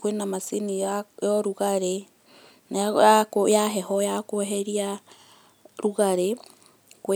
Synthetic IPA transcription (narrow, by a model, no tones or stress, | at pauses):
kwenamasinijɔɾuɣaɾe | najakojaɦɛhɔjakoɦɛɾia | ɾuɣaɾe | kw